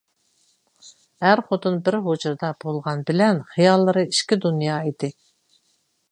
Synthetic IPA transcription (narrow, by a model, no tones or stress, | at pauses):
hæɾχot̪unbɪɾɦod͡ʒuɾd̪ɑb̥olˠʁɑnbɪlɛnχijɑlˠːɨɾɨiʃkʲid̪unjɑːid̪̥ɪ